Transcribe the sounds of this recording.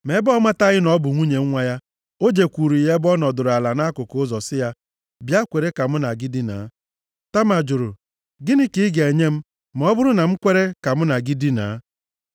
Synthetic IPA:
me˨˦bɔ˦ma˦ta˦ɣɪ˦nɔ˦bʊ˨ŋʷu˦ɲe˨ŋ̩˦ŋʷa˦ja˦ | o˦d͡ʒe˨kʷu˨ɾu˨i˨ɦe˦bɔ˦nɔ˨dʊ˨ɾa˨la˨na˦kʊ˨kʊ˦zɔ˨sɪ˦ja˦ | bja˦kʷe˨ɾe˦ka˨m̩˦na˨ɡi˦di˦na̰˨˦ | ta˦ma˨d͡ʒʊ˨ɾʊ˨ | ɡɪ˦nɪ˦ki˦ɡe˨ɲe˦m̩˦ | m˦ɔ˦bʊ˦ɾʊ˦na˨m̩˦kʷe˦ɾe˦ka˨m̩˦na˨ɡi˦di˦na̰˨˦

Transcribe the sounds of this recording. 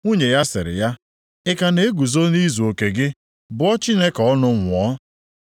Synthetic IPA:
ŋu˦ɲe˨ja˦sɪ̰˨ɾɪ̰˨ja˦ | ɪ˦ka˨ne˦e˦ɡu˨zo˦ni˦zu˨o˨ke˨ɡɪ˦ | bʊ˨ɔ˦t͡ʃi˦ne˦kɔ˦nʊ˦ŋʷʊ˨ɔ˦

